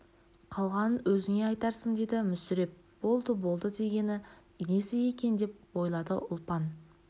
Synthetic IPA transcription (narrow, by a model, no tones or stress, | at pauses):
qʰɑlˠʁɑnənwɵzɪŋe̞ɑjt̪ɑɾsəɴd̪e̞d̪ɪmʏsʏɾe̞p̚ | b̥o̞lˠd̪əbo̞lˠd̪əd̪e̞ɡʲe̞nɪ | ne̞sɪje̞kʲe̞nd̪e̞p̚wo̞jlˠɑd̪əʔʊlˠpɑn